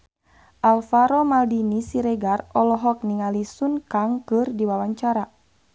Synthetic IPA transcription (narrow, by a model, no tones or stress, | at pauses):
ʔalfaɾɔmaldinisiɾɛɡarɔlɔɦɔk̚niŋalisunkaŋkɨrdiwawaɲt͡ʃaɾa